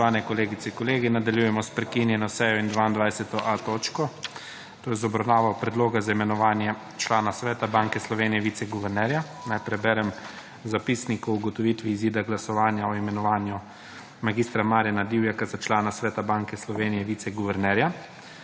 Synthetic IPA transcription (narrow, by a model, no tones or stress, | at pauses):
aːnɛkɔleːɡit̪sɛiŋkɔleːɡinad̪aljujɛmɔspɾɛkinjɛnɔsɛjɔind̪ʋaːind̪ʋajsɛt̪ɔʔat̪oːt͡ʃkɔ | t̪oːjɛzɔbɾawnaːʋawpɾɛd̪loːɡazaimɛnɔʋaːnjɛ | t͡ʃlaːnasʋɛːt̪abaŋkɛslɔʋeːnijɛʋiːt̪sɛɡuʋɛɾnɛːɾja | najpɾɛbɛɾɛm | zapiːsnikuuɡɔt̪ɔʋit̪ʋiːziːd̪aɡlasɔʋaːnjaɔimɛnɔʋaːnju | maɡiːst̪ɾamaːɾjanad̪iwjakazat͡ʃlaːnasʋɛːt̪abaːŋkɛslɔʋeːnijɛʋiːt̪ɛɡuʋɛɾnɛɾja